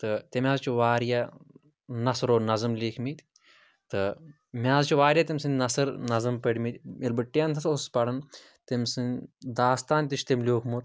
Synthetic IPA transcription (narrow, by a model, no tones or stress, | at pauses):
t̪ɨt̪ʲemʲjaːzt͡ʃʰuʋaːɾja | nɐsɾoːnɐzɨmliːkʰmit̪ʲ | t̪ɨ | mʲaːzt͡ʃʰuʋaːɾʲjat̪imʲsɨnʲnɐsɨɾnɐzɨmpɐɽʲmit̪ʲilbɨʈːijant̪ʰɐsospɐɽɐn | t̪emʲsɨnd̪aːst̪aːnʲt̪it͡ʃʰt̪emlʲoːkʰmut̪